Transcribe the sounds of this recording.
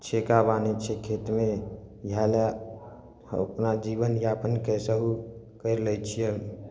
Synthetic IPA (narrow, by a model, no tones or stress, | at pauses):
t͡ʃʰekabanet͡ʃʰekʰeːt̪mẽ | jala | ə̰pnad͡ʒiʋənjapənkɛseɦu | kəɾləjt͡ʃʰie